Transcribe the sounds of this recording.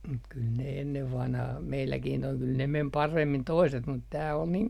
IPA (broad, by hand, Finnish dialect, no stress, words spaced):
mut kyl ne enːeʋ ʋɑnhɑh meilːækin toi kyl ne mem pɑremːin toiset mut tæː ol niŋ